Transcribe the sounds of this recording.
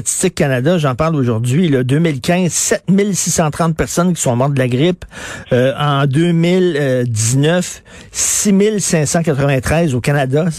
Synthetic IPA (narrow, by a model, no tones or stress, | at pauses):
t̪t͡si̥st͡sɪkːanad̪aʒɑ̃ːpaʁloʒuʁd̪d͡zɥilɔd̪øːmɪlkʲɛ̃zsɛt̪̚mɪlsisɑ̃t̪ʁɑ̃t̪̚pɛʁsɔnkʲi̥sɔ̃mɑʁd̪əlaɡʁɪpøɑ̃d̪øːmɪld̪iznœf | simɪlsɛ̃sɑ̃kat̪ʁəvɛ̃t̪χɛɪzokanad̪a